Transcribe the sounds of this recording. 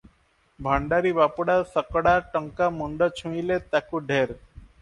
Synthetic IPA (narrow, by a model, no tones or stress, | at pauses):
bʱaɳɖaɾibapuɽaɾsəkɔɽaʈɔŋkamuɳɖɔt͡ʃʰũilet̪akuɖʱeɾ